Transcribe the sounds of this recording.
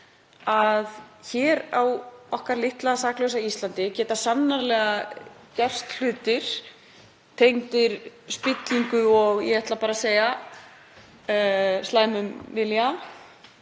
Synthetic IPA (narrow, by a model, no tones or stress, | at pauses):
aðçɛːɾawɔhkaɾlɪht̪laðasaːklœɥsaist̪lant̪ɪcɛːt̪asanːaɾlɛːɣacɛr̥st̪l̥ʏːt̪ɪɾ̥ | t̪ʰejŋt̪ɪɾ̥spɪt̪liŋkʏɔɣjɛ̰ɛht̪lapaːɾaseːja | slaːjmʏnvɪlja